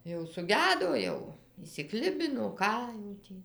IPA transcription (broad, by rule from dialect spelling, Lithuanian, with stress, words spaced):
jɛʊ sʊˈɡʲæːdoː ˈjɛʊ ɪʃʲsʲɪˈklʲɪbʲɪnoː ˈkɑː jɛʊ tʲiː